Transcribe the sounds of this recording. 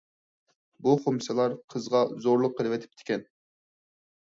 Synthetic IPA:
buχomsɨlˠɑɾqʰəzʁɑzoɾlˠʊqʰːəɾɨvɛt̪ʰɪ̥p̚t̪ʰɪ̥kʲɛn

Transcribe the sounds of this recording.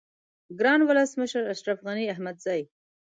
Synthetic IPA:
ɡɾɑnwʊləsməʃəɾaʃɾafɣaniahmad̪zaj

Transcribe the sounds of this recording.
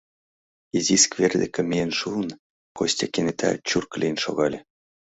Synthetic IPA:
iziskverd̪ḛ̆kĕmienʃuən | kosʲtʲɑkenet̪ʰæ̰t͡ɕurklʲinʃo̰ɣɑlʲĕ

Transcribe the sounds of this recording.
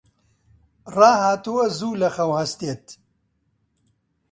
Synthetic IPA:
raːhaːt̪uwɐzuːlɐxɐwhɐst̪eːt̪

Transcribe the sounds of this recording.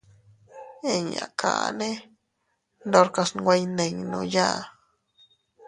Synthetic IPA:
eɲa̰kʰa̰ʔne | ndoɾkasnwajneŋno̰ja

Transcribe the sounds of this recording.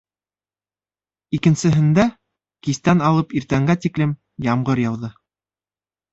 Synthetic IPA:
ikɘ̆nsɘ̆ɦɘ̆nd̪æ | kist̪ænɑlˠɤpiɾt̪æŋɡæt̪iklɘm | jɑmɢɤɾjɑwðɤ

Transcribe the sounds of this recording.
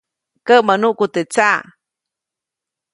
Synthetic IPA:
kəʔmanuʔkut̪et͡sa

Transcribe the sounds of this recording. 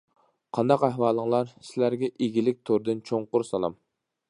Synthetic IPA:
qʰɑnd̪ɑqæhwɑːlˠəŋlˠɑɾsɪlæɾɡʲɛʔeɡʲilɪk̚ʲt̪ʰoɾd̪ɨnt͡ʃʰoŋqʊɾsɑlˠɑ̰m

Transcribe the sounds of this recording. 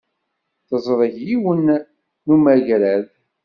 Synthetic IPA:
θəzˤɾˤəçjiwənː | umæʝɾæð

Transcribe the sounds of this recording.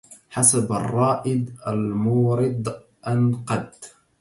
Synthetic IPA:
ħasaba̰rˤːɑːʔɪd̪ʔalmuːɾɪd̪ | ʔanqɑd̪

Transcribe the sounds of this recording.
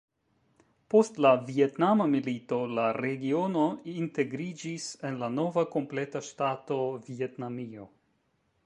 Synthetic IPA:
po̞stlavie̞tnamamilito̞laɾe̞ɡio̞no̞inte̞ɡɾid͡ʒise̞nlano̞vako̞mple̞taʃtato̞vie̞tnamio̞

